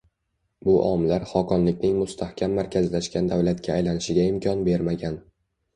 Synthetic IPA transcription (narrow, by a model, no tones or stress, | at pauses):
bʊʔɒmlaɾχɒkʰɒnlɪk̚ʲnɪŋmʊst̪ʰahkʲʰamːaɾkʲʰazlaʃkʲand̪awlat̪̚kʲaːjlanɪʃɪɡʲaɪmkʲʰɒnbe̞ɾmaɡʲan